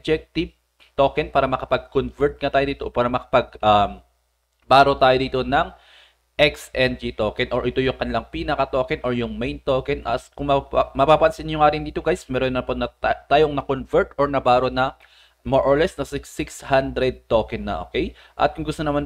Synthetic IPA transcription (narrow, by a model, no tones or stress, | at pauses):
d͡ʒɛk̚t̪ɪv | t̪oːkɛnpaːɾɐmɐkɐpɐɡ̚konvɛɹt̪̚ŋat̪aːjod̪iːt̪opaːɾɐmɐkɐ̥pɐɡ̚ʔɐm | baːɾo̞t̪aːjod̪iːt̪o̞nɐŋ | ʔɛksʔɛnd͡ʒit̪oːkɛnʔoɹʔɪt̪o̞jʊŋkɐnɪlaŋpiːnɐkɐt̪oːkɛnʔoɹjʊŋmejnt̪oːkɛnʔɐ̰skʊŋmɐmɐpaːpɐnsɪnjʊŋaːɾɪnd̪iːt̪oɡajsmɛːɾonɐponɐt̪aːjoŋnɐkonvɛɹt̪ʔoɹnɐbaːɾonɐ | moɹʔoɹlɛsnɐssɪkshand̪ɾɛd̪̚t̪oːkɛnːɐ̰ʔo̰ːkɛj | ʔɐ̰t̪̚kʊŋɡʊst̪onɐman